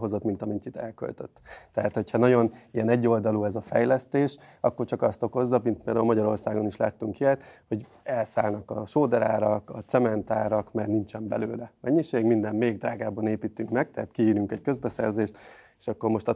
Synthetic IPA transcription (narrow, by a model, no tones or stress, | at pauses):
ɦo̞zo̞t̪mint̪ɒmint̪it̪ɛlkø̰lt̪øt̪ːɛɦat̪ho̞chɒnɒɟo̞nijɛnɛɟːo̞ld̪ɒluɛzɒfɛjlɛst̪eːʃ | ɒ̰kːo̞rt͡ʃɒkɒst̪o̞ko̞zːɒmint̪mɛɾmɒɟɒɾo̞rsaːɡo̞niʃla̰ːt̪ːyŋkiɛt̪ho̞ɟ | ɛlsaːlnɒkɒ̰ʃoːd̪ɛɾaːɾɒkɒt̪sɛmɛnt̪aːɾɒkmɛrnint͡ʃɛmbɛ̰løːlɛmɛɲːiʃeːɡmind̪ɛmmeːɡd̪raːɡaːbɒneːpit̪yŋkmɛɡ̚t̪ɛɦat̪kiiːɾyŋkɛckøzbɛsɛrzeːʃt̪e̥ʃɒkːo̞rmo̞ʃt̪ɒ